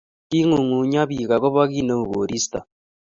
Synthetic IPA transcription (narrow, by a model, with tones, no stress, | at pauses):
ki˦ŋu˨ŋu˨ɲa˦βi˨ka˨ko˦βa˦ɣi˦no˦u˨ɣo˨ɾi˦sta̰˨